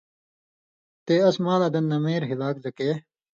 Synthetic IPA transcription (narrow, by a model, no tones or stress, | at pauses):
t̪eːɐsmaːlɐd̪ɐnːɐmeːɾɦilaːk̚zɐkeː